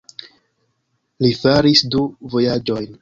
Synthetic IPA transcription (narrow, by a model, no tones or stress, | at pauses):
lifaɾisduvo̞jad͡ʒo̞jn